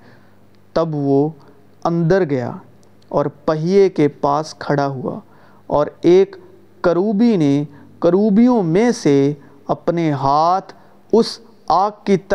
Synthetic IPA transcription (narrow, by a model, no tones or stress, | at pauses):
t̪ɐbʋo | ɐ̃nd̪əɾɡɐja̰ː | ɔːɾpɐɦijekepaːskʰɐɽaɦʊa̰ː | ɔːɾeːkː | əɾuːbine | kəɾuːbijõmẽse | ɐpneɦaːt̪ʰ | ʊs | aːkːit̪